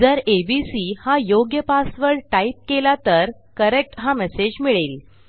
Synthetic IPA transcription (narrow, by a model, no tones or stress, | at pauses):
d͡zəɾebisiːhajoɡjəpasʋəɭʈaip̚kelat̪əɾ | kəɾek̚ʈɦamɛsed͡ʑmiɭel